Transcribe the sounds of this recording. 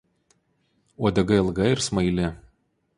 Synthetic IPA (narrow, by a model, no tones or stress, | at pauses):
oːd̪ʲɐɡɐɪlˠɡɐɪɾsmɐɪlʲɪ